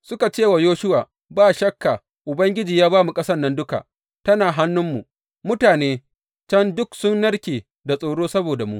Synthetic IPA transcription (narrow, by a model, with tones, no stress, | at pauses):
sʊ˦ka˨t͡ʃeː˦˨wa˨joː˦ʃʊ˦waː˨ | baː˦˨ʃɐ˦kːa˨ | ʔʊ˨bɐ˦ŋɡʲɪ˦d͡ʒiː˨jaː˦baː˦mu˨kʼɐ˦sɐ˦nːɐ˦ndʊ˦ka̰˨ʔ | tɐ˦naː˨ɦa˦nːʊ˦mːu˨ | mʊ˦taː˨neː˦ | t͡ʃɐ˦ndʊ˦ksʊ˦nːɐ˦ɽkʲeː˨ | da˨sʼoː˨ɽoː˦sɐ˦boː˨da˨mṵ˦ʔ